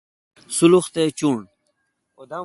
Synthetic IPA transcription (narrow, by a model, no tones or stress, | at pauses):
suluxt̪et͡ɕuːɳ | d